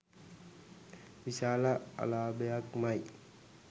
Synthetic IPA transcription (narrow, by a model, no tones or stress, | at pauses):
ʋiʃaːlaa̰laːbejakmaj